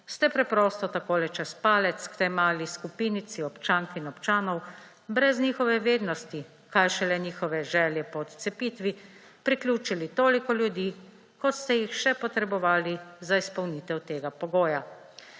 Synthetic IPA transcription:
st̪ɛpɾɛpɾɔst̪ɔt̪akoːlɛt͡ʃɛspaːlɛt̪skt̪ɛjmaːliskupiːnit̪siɔpt͡ʃaːŋkinɔpt͡ʃaːnɔw | bɾɛzniːxɔʋɛʋeːd̪nɔst̪i | kajʃɛlɛniːxɔʋɛʒɛːljɛpɔːt̪t̪sɛpiːt̪ʋi | pɾiklʲjuːt͡ʃilit̪oːlikɔljud̪iː | kɔt̪st̪ɛjixʃɛpɔt̪ɾɛbɔʋaːlizaispɔwnit̪ɛwt̪eːɡapɔɡoːja

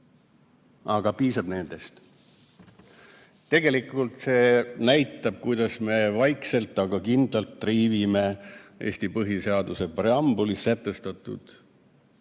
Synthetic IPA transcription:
ʔɑɡ̥ɑpiːsɑb̥ne̞nd̪̥e̞st̪ | t̪ːe̞ɡe̞likˑult̪se̞ːnæjt̪ːˑɑb̥kujd̪̥ɑsme̞vɑjkse̞lt̪ːˑɑɡ̥ɑkind̪lɑlt̪ːriːvime̞ʔe̞̰ːsʲt̪ipɤɦise̞ɑd̪use̞preɑmbulisːæt̪ˑːe̞st̪ɑt̪ˑːṵd̪̥

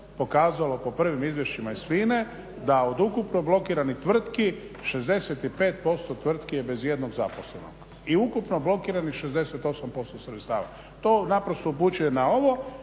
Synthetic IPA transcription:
po̞kaːzalo̞po̞pr̩ʋimizʋjeʃimaisʋiːne | d̪ao̞d̪ukupnoblˠo̞kiːɾanit̪ʋr̩t̪ki | ʃe̞zd̪e̞set̪ipe̞ːt̪̚po̞st̪o̞t̪ʋr̩t̪kijebe̞zje̞d̪no̞ɡzapo̞sleno̰ɡ | iukupnoblo̞kiːɾanixʃezd̪e̞set̪o̞sampo̞st̪osɾet̪st̪a̰ːʋa̰ | t̪o̞napɾost̪oup̬ut͡ɕujenao̞ʋo̞

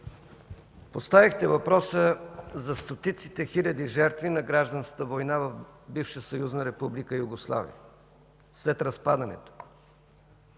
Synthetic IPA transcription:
post̪avixt̪ɛvɐpɾɔsəzɐst̪ot̪it̪si̥t̪ɛxilʲɐd̪iʒɛɾt̪vinɐɡɾaʒd̪ɐnskə̥t̪əvojnavɐvbifʃəsɐjuznɐɾɛpublikəjuɡoslˠa̰vḭə̰ | slɛt̪ɾɐspad̪ɐnɛ̰t̪o̥

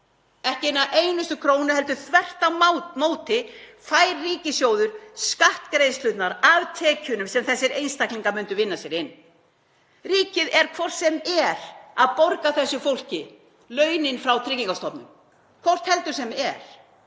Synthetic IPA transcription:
ɛhcɪɪnːaʔeːjnʏst̪ʏkʰɾoːwnʏɦɛlt̪ʏθvɛr̥t̪amoːwt̪ɪfaːjɾːiːcɪsjoːwðʏɾ̥skaht̪kɾeːjðslʏt̪naɾavt̪ʰɛːcʏnʏmsɛmθɛsːɪɾejnst̪akliŋkamʏnt̪ʏvɪnːasjɛɾɪnː | riːcɪðɛɾkʰvɔr̥t̪sɛmɛɾaðpoɾkaθɛsːʏfowl̥cɪ | lœːɥnɪnfɾawt̪ʰɾɪciŋkast̪ɔpnʏ̰m | kʰvɔr̥t̪hɛl̪t̪ʏ̥sɛmɛɾ̥

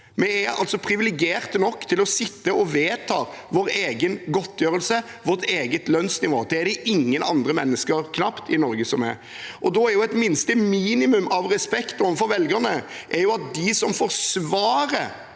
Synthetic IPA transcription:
mɛæɾɑ̰lt̪sɔpʰɾɪʋɪlɛɡɪeːɾt̪nɔkːt̪ʰɪlɔsɪt̪ːəʔɔʋeːt̪ʰɑː | ʋoːɾeːɡənɡɔt̪ːjøːɾəlsə | ʋɔɾt̪eːɡət̪lœnsnɪʋoːd̪ɛæd̪ɛʔɪŋːənɑ̰nd̪ɾəmɛnːəskəɾkʰnɑpt̪ʰɪnɔɾɡəsɔmɛ̰ɾ | ʔɔd̪ɔæɾjʊɛt̪mɪnst̪əmiːnɪmʉmɑʋɾɛspɛkt̪ɔəfɔɾʋɛlɡənəʔɛɾjʊɑt̪̚d̪ɪsɔmfoːɾsʋɑːɾəɾ

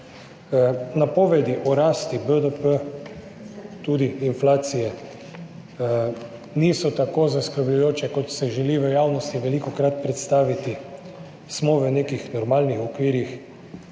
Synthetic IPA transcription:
napɔːʋɛd̪iʔɔɾaːst̪ibəd̪əpə | t̪ud̪iːnflaːt̪sijɛ | nisɔt̪akozaskɾəɾblujoːt͡ʃɛkɔt̪sɛʒɛliʋəjaːwnɔst̪iʋɛlikɔkɾat̪̚pɾɛt̪st̪aːʋit̪i | smɔʋənekixnɔɾmaːlnixɔkʋiːɾix

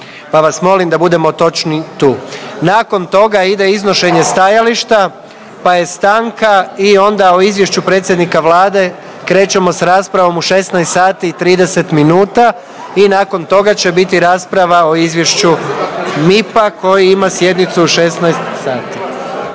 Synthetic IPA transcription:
paʋasmo̞limd̪abud̪e̞mo̞t̪o̞t͡ʃnit̪uːnako̞nt̪o̞ɡaid̪e̞izno̞ʃe̞ɲe̞st̪ajaliʃt̪a | paje̞st̪aːŋkaio̞nd̪aoizʋje̞ʃt͡ɕupɾet̪sjed̪nikaʋlaːd̪e̞ | kɾe̞ːt͡ɕe̞mo̞sɾaːspɾaʋo̞muʃe̞snajst̪saːt̪iːt̪ɾiːd̪e̞se̞t̪minuːt̪a | inaːko̞nt̪o̞ɡat͡ɕe̞bit̪iɾaːspɾaʋao̞izʋjeʃt͡ɕu | mipako̞jiimasje̞d̪nit̪suːʃe̞snajst̪saːt̪i

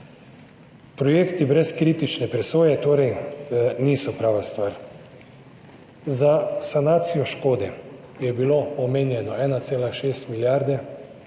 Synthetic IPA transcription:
pɾɔjeːkt̪ibɾɛskɾiːt̪it͡ʃnɛpɾɛsoːjɛt̪oːɾɛjniːsɔpɾaːʋast̪ʋaɾ | zasanaːt̪sijɔʃkoːd̪ɛ | jɛbiloɔmeːnjɛnɔɛːnat̪seːlaʃeːst̪miljaɾd̪ɛ

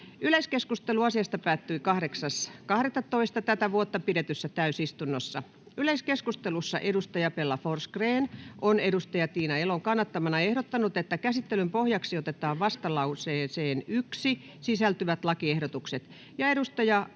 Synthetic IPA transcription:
yleskeskust̪eluɑsiɑst̪ɑpæːt̪ːyikɑhɾeksɑskɑhɾet̪ːɑtt̪oist̪ɑt̪æt̪æʋuot̪ːɑpiɾet̪ysːæt̪æysist̪unːosːɑ̰ | yleiskeskust̪elusːɑ̰ʔedust̪ɑjɑpelːɑforskreːnʔonedust̪ɑjɑt̪iːnɑeloŋkɑnːɑt̪ːɑmɑnɑehɾot̪ːɑnut̪et̪ːækæsit̪ːelympohjɑksiot̪et̪ɑːʋʋɑst̪ɑlɑuseːseːnyksi | sisælt̪yʋæt̪lɑkiehdot̪ukset̪ | jɑeɾust̪ɑjɑ

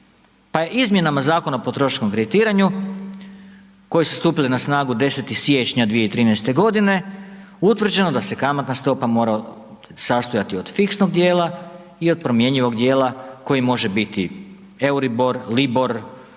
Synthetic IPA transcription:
paje̞ʔizmje̞namazaːko̞naopo̞t̪ɾo̞ʃkomkɾed̪it̪iːɾaɲu | ko̞jesust̪uːpilinasnaːɡud̪e̞se̞t̪ixsje̞t͡ɕɲad̪ʋijeit̪ɾiːnɛjst̪e̞ɡo̞d̪ine̞ | ut̪ʋr̩d͡ʑe̞nod̪ase̞kamat̪nast̪o̞pamo̞ːɾao | sast̪ujat̪io̞d̪̥fiksnoɡ̚d̪jeːlˠa | io̞d̪̚pɾo̞mje̞ɲiʋo̞ɡd̪je̞ːlako̞jimo̞ʒe̞bit̪i | e̞wɾibo̞ɾlibo̞ɾ

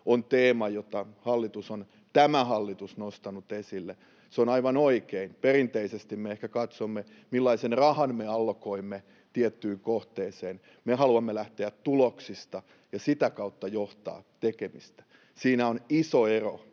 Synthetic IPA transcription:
ont̪eːmɑjot̪ɑhɑlːit̪uson | t̪æmæhɑlːit̪usnost̪ɑnut̪esilːe | seonɑiʋɑnoikeinperint̪eisest̪immeehkækɑt̪somːe | milːɑisenrɑhɑnmeɑlkoimːe | t̪iet̪ːyːŋkoht̪eːseːn | mehɑluɑmːelæht̪eætt̪uloksist̪ɑ | jɑsit̪ækɑut̪ːɑjoht̪ɑ̰ːt̪ekemist̪æ̥ | siːnæonisoero̰

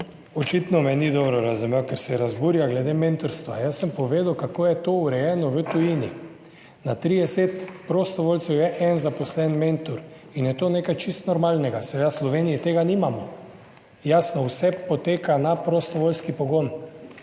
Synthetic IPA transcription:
ɔt͡ʃit̪nɔmɛnid̪ɔbɾɔɾazumewkɛɾsɛɾazbuːɾjaɡlɛd̪ement̪ɔɾst̪ʋa̰jəsːəmpɔʋeːd̪əwkakoːjɛt̪ouɾɛjɛːnɔʋət̪ujini | nat̪ɾid̪ɛset̪pɾost̪ɔʋoːlt̪sɛwjɛʔɛnzapɔslɛnmẽnt̪uɾ | injɛt̪oːneːkajt͡ʃist̪nɔɾmaːlnɛɡasɛʋed̪aslɔʋeːnijɛt̪eːɡanimamɔ | jasnɔwsɛpot̪eːkanapɾost̪ɔʋolskipɔɡon

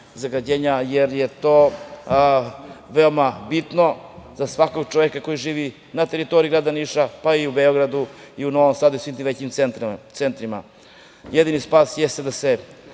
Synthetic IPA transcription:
zaɡad͡ʑeɲajeɾjet̪oː | ʋe̞omabit̪no̞zasʋako̞ɡt͡ʃoʋekako̞jiʒiːʋi | nat̪e̞ɾit̪o̞ɾiɡɾad̪aniʃapaiubeoɡɾad̪uiuno̞ʋomsaːd̪uisʋimt̪ĩmʋet͡ɕiment̪sent̪ɾima̰ | jed̪inispaːsjest̪ed̪ase

